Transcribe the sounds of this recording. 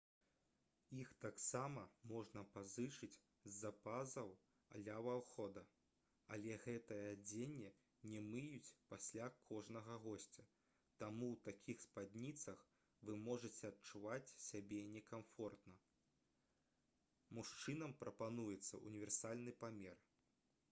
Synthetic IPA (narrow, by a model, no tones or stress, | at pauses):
ixt̪aksamɐmɔʐnɐpazɨt͡ʂɨt͡sʲ | zːapazɐw | ɐ̰lʲavawxɔd̪ɐ | alʲɛɣɛt̪ɐjɐd͡zʲenʲːɛ | nʲɛmɨjut͡sʲpasʲlʲakʰɔʐnɐɣɐɣɔsʲt͡sʲɐ | t̪amuwt̪akʲʰixspad̪ʲnʲit̪sɐx | vɨmɔʐɨt͡sʲɛɐtt͡ʂuvat͡sʲsʲabʲɛnʲɛkamfɔrt̪nɐ | muʂt͡ʂɨnɐmpɾɐpanujɛt̪sːɐ̰ʔṵnʲivʲɛrsalʲnɨpamʲɛr